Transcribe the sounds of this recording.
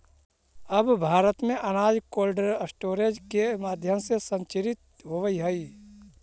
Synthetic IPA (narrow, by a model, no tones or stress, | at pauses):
əbbʱaːɾət̪mẽʔənaːd͡ʒkoːlɖəɾəsʈoːɾed͡ʒkemaːd̪ʱjəmsesə̃nt͡ʃɪɾɪt̪̚ | ɦoʋəiɦəi